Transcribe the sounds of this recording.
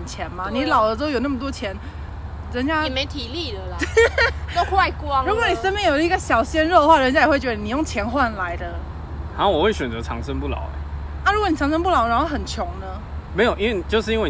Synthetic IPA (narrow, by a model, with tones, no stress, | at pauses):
t͡ɕʰjɛ˨˦nma˨ni˨˥lɑ˨˩ʊdə˧˦t̪̬ʊjo˨˩na˥˩mə˩t̪wɔ˥t͡ɕʰjɛ˧˥n | ɻə˧˦nt͡ɕja˥˨me˧˥ɪt̪ʰi˨˩li˥˨lə˨˩l | t̪o˥xwa˥˧ɪkwɑ˦ŋɻu˧˥kwɔ˧˦ni˨˩ʂə˥npɛ˥˩jo˨˩di˧˥ɡə˧ɕjɑ˨˩ʊɕjɛ˥nɻo˥˧xwa˥˩ɻə˧˦nt͡ɕja˥jwe˥˩ɪt͡ɕɥɛ˧d̪ə˧ni˨˩jo˥˩ŋt͡ɕʰjɛ˧˥nxwa˥˩nla˧˦ɪd̪ə˧ | a˨˦o˥˩wɔ˨˩xwe˥˩ɪɕɥɛ˨˩nt͡sə˧˦ʈ͡ʂʰɑ˧˦ŋʂə˦˥ŋpu˥˩lɑ̰˨˩˦ʊḛ˨˦ | na˥˩ɻu˧˥kni˨˩t͡sʰɑ˧˥ŋʂ̬ə˥np̬u˥˩lɑ˨˩ʊna˧˥nxo˥˩xə˨˩nt͡ɕʰjʊ˨˧˦ŋnə˧ | me˧˥jo˨˩i˥nwe˥˩˨t͡ɕjo˥˧ʊʂɻ̩˥˩i˦nwe˥˩